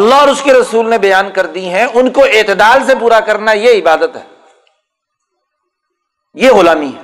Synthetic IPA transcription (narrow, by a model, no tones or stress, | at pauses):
ɐlːaɦɔːɾʊskeɾɐsuːlnebɐjaːnkɐɾd̪iɦɛ̃ʊnkoeːt̪ɪd̪aːlsepuːɾakɐɾnajeɪbaːd̪ət̪ɦɛ̰ː | jeɣʊlaːmiɦɛː